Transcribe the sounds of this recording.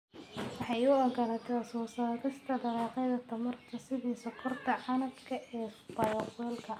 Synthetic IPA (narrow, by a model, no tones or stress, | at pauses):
wɑħɑjʊɐɡɐnɐːt̪ʰɛsɔːsɐk̪ɐst̪ʰɐd̪ɐɾɑːqɛjðɐt̪ʰɐmɐrt̪ʰɐsɪðiːsɔkʰɔrt̪ʰɐʕɑnɐb̪kʰɐʔɛːbɐɾɐfɛlkʰɐ